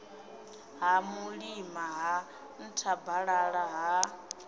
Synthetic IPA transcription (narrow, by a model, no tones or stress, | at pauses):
ɦamuɺimaɦa | n̩tʰabaɺaɺaɦa